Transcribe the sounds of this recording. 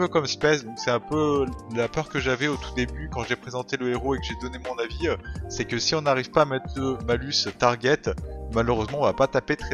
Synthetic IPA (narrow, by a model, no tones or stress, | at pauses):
pøkɔmspɛsd̪ɔ̃ksɛɛ̃pølapœʁkəʒavɛot̪u̥d̪ebykɑ̃ʒepχezɑ̃t̪eləeʁoekəʒed̪ɔnemɔ̃naviøsɛkəsiɔ̃naʁivpaːmɛt̪χləmalyst̪aʁɡʲɛt̪maləʁøzmɑ̃ɔ̃vapat̪apet̪χɛ